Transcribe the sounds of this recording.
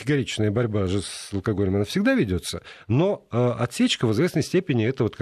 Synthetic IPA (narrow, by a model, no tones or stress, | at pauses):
tʲɪɡɐɾʲit͡ɕnəjəbɐɾʲbaʐɨsəlˠkɐɡo̞lʲɪmɐnafsʲɪɡ̚d̪avʲɪdʲo̞t̪səno̞əɐt̪sʲet͡ɕkəvɨzvʲesnəjsʲtʲepʲɪnʲɪɛt̪əvo̞t̪k